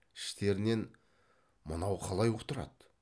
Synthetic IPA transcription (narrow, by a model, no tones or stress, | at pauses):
ɪ̥ʃt̪e̞ɾɪne̞n | mənɑwqʰɑlˠɑjot̪əɾɑ̰d̪